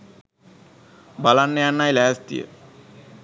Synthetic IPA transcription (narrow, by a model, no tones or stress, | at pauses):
balanːəjanːajlæːst̪ḭjə̰